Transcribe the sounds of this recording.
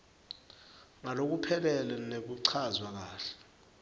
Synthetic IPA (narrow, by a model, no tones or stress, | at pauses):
ŋalok̬upʰɛlɛlɛnek̬uǀʰazwak̬aːɬɛ̥